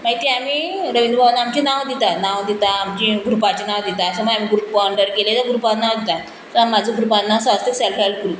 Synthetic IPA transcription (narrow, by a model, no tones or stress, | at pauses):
maɡit̪iamiː | ɾəʋind̪ubʱaʋanːaamt͡ɕinaʋd̪it̪anaʋd̪it̪aːmt͡ɕiɡʱɾupat͡ɕenãʋd̪it̪aəsəməɡamiːɡɾupaɳɖəɾkelet̪əɡɾupanãʋd̪it̪a | səamːad͡zũɡʱɾupanːasast̪eselfalkɾuː